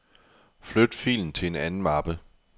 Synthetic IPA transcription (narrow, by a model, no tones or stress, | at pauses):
flød̥fḭːln̩t͡sʰe̝e̝nænn̩mɑ̈b̥ə